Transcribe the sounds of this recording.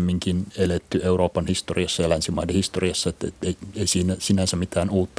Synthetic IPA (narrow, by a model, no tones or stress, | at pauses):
mːiŋkinelet̪ːyeuroːpɑnhist̪oriɑsːɑjɑlænsimɑidenhist̪oriɑsːɑet̪ːḛt̪eieisiːnæsinænsæmit̪æːnuːt̪ːɑ